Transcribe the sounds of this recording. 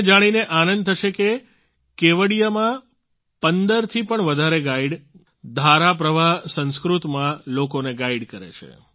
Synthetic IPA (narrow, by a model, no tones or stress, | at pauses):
d͡ʒaɽ̃ineʔanənd̪̚t̪ʰəʃeke | keʋəɽijamã | pənd̪əɾt̪ʰipəɳʋəd̪ʱaɾeɡaiɖ | d̪ʱaɾap̬ɾəʋasə̃nskɾut̪mãlokoneɡaiɖkəɾḛt͡ʃʰḛ